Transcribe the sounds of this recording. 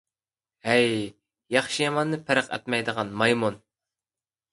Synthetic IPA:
hɛj | jɑχʃijɑmɑnːɨpʰæɾəqɛ̰t̪mɛjd̪əʁɑnmɑjmun

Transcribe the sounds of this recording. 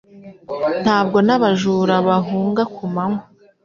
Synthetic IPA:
n̥haːb̚ɡo̞naβaʒuːɾaβaɦuːŋɡakumaŋo

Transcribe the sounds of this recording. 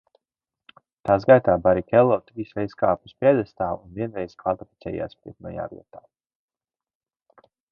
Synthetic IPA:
t̪aːsɡajt̪aːbaɾikʲɛlˠːɔːt̪ɾiːsɾɛjzskaːpuspiɛd̪ɛst̪aːunviɛnɾɛjz̥kvalt̪ifit̪sʲɛ̰ja̰ːspɾḭt̪nɔja̰ːvḭɛt̪aː

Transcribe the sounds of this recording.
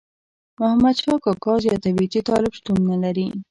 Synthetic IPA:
mʊhamad̪ʃɑkɑkɑzjɑt̪abit͡ʃit̪ɑlɪbʃt̪unːalaɾi

